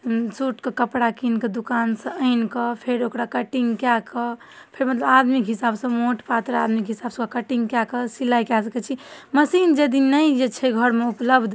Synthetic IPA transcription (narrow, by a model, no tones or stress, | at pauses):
suʈkekəpɽakinked̪ukansə̃əɪnkəpʰeɾokɾakəʈiŋɡkjakə | pʰeɾmət̪ləbad̪mikɦisabsə̃moʈpat̪ɾad̪mikɦisabsə̃kəʈiŋɡkjakəsilːajkɛsəkɛt͡ʃʰiməsind͡ʒəd̪inəjd͡ʒet͡ʃʰɛɡʱəɾmeupləbd̪ʱ